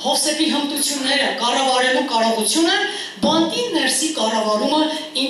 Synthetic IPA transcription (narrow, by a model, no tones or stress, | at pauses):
hɔχsɛpiɦənt̪ut͡sʰjunːɛɾəkɑrɑvɑɾɛlukɑɾɔʁut͡sʰjunɛn | bɑnt̪inɛɾsikɑrɑvɑɾumə | i